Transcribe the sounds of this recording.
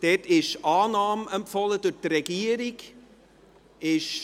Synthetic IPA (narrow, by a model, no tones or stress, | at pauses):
d̥etɪʃʔɑːnɑːmɛmpfɑləd̥ɵtrɛɡ̥iəɾik | ɪʃ